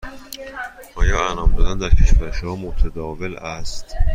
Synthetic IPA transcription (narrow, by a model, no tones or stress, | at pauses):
ʔɒːjɒːænɒːmd̪ɒːd̪ænd̪æɾcʲʰe̞ʃvæɾeʃhɒːmot̪ʰæd̪ɒːvelæst̪